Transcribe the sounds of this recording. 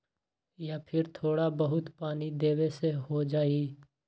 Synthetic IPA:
japʰɪɾt̪ʰoːɽabəɦʊt̪paːnid̪eːweseɦod͡ʒaːiː

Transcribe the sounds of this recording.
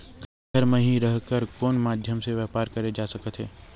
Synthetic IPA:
kɐ | ɡəɾmẽɦĩɾəɦkəɾkɔːnmaːd̪ʱjəmseʋjaːpaːɾkɐɾed͡ʒaːsɐkət̪ɦɛ̰ː

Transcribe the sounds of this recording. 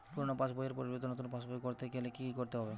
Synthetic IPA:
puɾonopasbojeɾpoɾibet̪̬onot̪unpasbojkoɾt̪eɡelekikoɾt̪eɦɔbe

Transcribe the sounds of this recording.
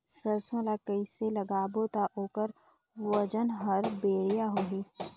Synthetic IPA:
səɾsõlakəiselɐɡaːbot̪aʔoːkəɾ | ʋəd͡ʒənɦəɾbeːɽijaɦoːɦiː

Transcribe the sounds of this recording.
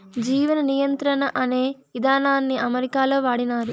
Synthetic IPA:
d͡ʒiːʋɐnɐnijɐnt̪ɾɐnɐʔɐne̞ːʋid̪ʱaːnaːnːiɐmɐɾikaːlo̞ːʋaːɽinaːɾu

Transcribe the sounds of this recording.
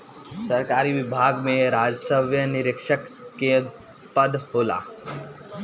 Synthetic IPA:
sɐɾkaːɾiʋɪbʱaːɡmẽɾaːd͡ʒsəʋjənɪɾɪkʃəkːe | pəd̪hoːla̰ː

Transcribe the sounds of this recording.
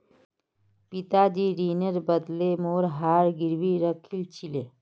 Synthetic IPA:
pit̪ad͡ʒiːɾiːnəɾbəd̪lemoːɾɦaːɾɡiɾwiɾəkʰilt͡ʃile

